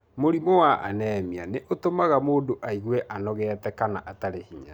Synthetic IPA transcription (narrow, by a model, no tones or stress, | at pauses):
moɾimowaʔa̰nɛːmianeʔotomaɣamoːdoʔaiɣwɛʔanɔɣɛːtɛkanaʔataɾehiɲa